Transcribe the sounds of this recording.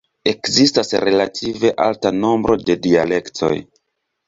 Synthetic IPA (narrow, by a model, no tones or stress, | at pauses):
e̞kzistasɾe̞latʰive̞ʔa̰ltano̞mbɾo̞de̞diale̞ktʰo̞̰j